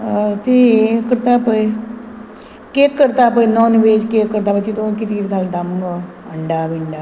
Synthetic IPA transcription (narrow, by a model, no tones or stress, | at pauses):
t̪ekəɾt̪aːpəi | kekːəɾt̪aːpəinɔːnɪʋeːd͡ʒkeːkːəɾt̪aːpət͡ʃ̪it̪okɪt̪ikit̪ɡald̪əm | əɳɖaːbɪɳɖaː